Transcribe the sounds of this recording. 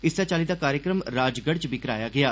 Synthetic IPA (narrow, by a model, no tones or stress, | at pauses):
ɪsd̪aːt͡ʃaːliːd̪aːkaːɾjəkɾəmɾaːd͡ʒɡəɽt͡ʃbikəɾaːjaːɡɪaː